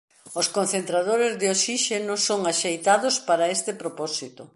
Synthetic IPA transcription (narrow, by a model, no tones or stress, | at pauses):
oskonθent̪ɾaðoɾezðɪosiʃenosoŋaʃejt̪aðospaɾaest̪ɪpɾopɔsit̪o